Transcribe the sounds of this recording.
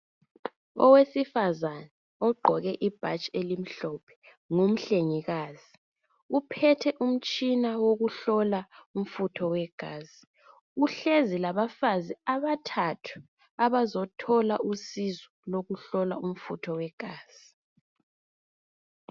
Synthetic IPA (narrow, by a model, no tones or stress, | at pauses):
ɔ̰wesifazana | ɔɡ͡ǃʱɔɣɛʔib̥ʱat͡ʃʼelim̩ɬɔpʰɛ̥ | ŋom̩ɬeŋiɣaːzi | upʰɛtʰɛʔum̩t͡ʃʼinawoɣuɬɔlaum̩futʰɔwɛɡ̥ʱaːz̥i | uɬezilaβafaziaβatʰatʰu̥ | aβazɔtʰɔlausizɔloɣuɬɔla̰um̩futʰɔwɛɡ̥ʱaːz̥i